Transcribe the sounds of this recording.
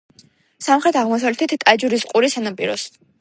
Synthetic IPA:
samχɾɛt̪ʰaʁmɔsavlɛt̪ʰɛt̪ʰt̪ʼad͡ʒuɾisqʼuɾisanapʼiɾɔs

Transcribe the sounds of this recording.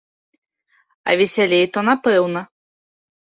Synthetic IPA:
ɐ̰vʲɛsʲalʲejt̪ɔnapɛwnɐ

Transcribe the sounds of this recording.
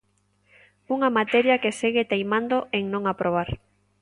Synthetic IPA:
uŋɐmat̪ɛɾjɐkeseɣɪt̪ejmãnd̪oeŋnõŋapɾoβ̞aɾ

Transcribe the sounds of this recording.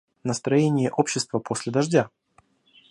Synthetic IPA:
nəst̪ɾɐjenʲɪjəʔo̞pɕːɪst̪vəpʰo̞sʲlʲɪd̪ɐʐdʲa

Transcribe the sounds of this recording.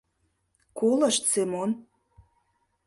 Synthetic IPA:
kolə̆ʃt̪semon

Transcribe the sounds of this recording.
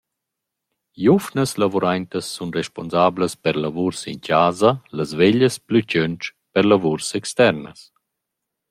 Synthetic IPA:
jufnəslavuɾajnt̪əsːunrɛʃponzaːbləspəɾlavuɾsḭncaːzalazveʎəsplycønt͡ʃ | pəɾlavuɾsɛkst̪ɛɾnə̰s

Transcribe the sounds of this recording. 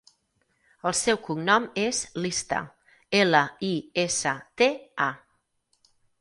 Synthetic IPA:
əlˠsɛwkuŋnɔmezlist̪ə̰ | eləiesət̪ea

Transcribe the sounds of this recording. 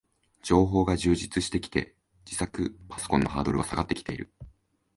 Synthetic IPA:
d͡ʑo̞ːɦo̞ːɡaʑɨːʑit͡sɨɕi̥t̪e̞kʲi̥t̪e̞̰ | d͡ʑisakɯ̟pḁsokõ̞nːo̞ɦaːd̪o̞ɾɯ̟βasaɡat̪ːe̞kʲi̥t̪e̞iɾɯ̟̰

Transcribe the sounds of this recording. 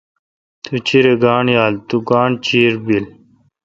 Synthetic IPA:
t̪ut͡ɕiɾeɡaːɳjaːlt̪uɡaːɳt͡ɕiːɾbil

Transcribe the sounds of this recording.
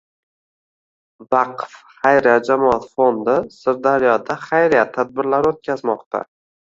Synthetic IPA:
vɑqfχajɾjad͡ʒamɒat̪fond̪ɪsɪɾd̪aɾijɒd̪aχajɾijat̪ʰːad̪̚bɪɾlaɾot̪̚kʲʰazmɒqt̪ʰa̰

